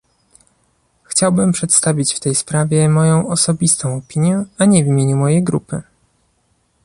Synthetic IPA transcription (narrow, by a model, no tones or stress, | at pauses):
xt͡ɕawbɘmpʂɛt̪st̪avʲit͡ɕft̪ɛjspɾavʲjɛmɔjɔ̃w̃ɔsɔbʲist̪ɔ̃w̃ɔpʲiɲjɛaɲɛvʲimʲjeɲumɔjejɡɾṵpɘ